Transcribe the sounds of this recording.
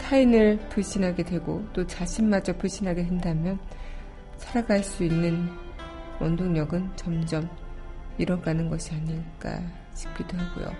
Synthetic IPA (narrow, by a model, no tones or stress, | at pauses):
tʰainɯɭpuɭɕ͈inɦaɡe̞dwe̞ɡot͈ot͡ɕaɕʰinmad͡ʑʌp͈ʰuɭɕ͈inɦaɡedwendamjʌn | sʰaɾaɡaɭs͈uinːɯn | wʌndoŋɲʌɡɯnt͡ɕʌmd͡ʑʌm | iɾʌɡanɯnɡʌɕʰiaɲiɡ͈a̰ | t͡ɕi̥p̚k͈idoɦaɡo̰jo̰